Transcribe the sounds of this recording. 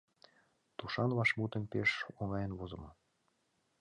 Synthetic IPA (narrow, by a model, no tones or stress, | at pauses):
t̪uʃɑnβɑʃmut̪ə̆npeʃoŋɑjə̆nβozɤ̆mɤ̆